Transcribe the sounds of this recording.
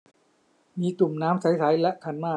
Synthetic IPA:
miː˧klu˨˩mnaː˦˥mt͡ɕʰa˦˥jsʰaː˩˦˥jlɛ˦˥ʔkʰa˧nmaː˥˩

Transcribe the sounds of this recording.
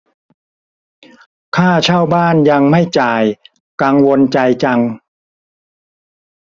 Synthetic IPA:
kʰaː˥˩t͡ɕʰaː˥˩wbaː˥˩nja˧ŋma˥˩jt͡ɕaː˨˩j | ka˧ŋwo˧nt͡ɕa˧jt͡ɕa˧ŋ

